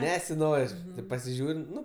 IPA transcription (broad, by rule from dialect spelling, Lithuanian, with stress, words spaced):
ˈnʲæːsʲɪˌnoːrʲ tʲeːp pɐsʲɪˈʒʲuːrʲ ˈnʊ